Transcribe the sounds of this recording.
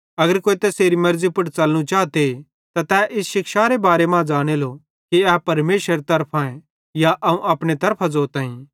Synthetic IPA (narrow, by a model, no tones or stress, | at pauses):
ɐɡəɾkoːit̪ɛseːɾimɐɾzipɐɽt͡sɐlñũt͡ʃaːt̪e | t̪at̪ɛʔɪsʃɪkʃaːɾebaːɾemãd͡ʒaːɽ̃elo | kiɛːpɐɾmeːʃəɾt̪ɐɾpʰãẽ | jaʔɐũʔɐpɽ̃et̪ɐɾpʰazoːɾt̪ãːĩ